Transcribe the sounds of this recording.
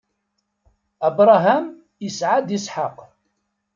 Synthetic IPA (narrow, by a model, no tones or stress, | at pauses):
əbɾˤɑɦam | əsʕad̪isˤħɑq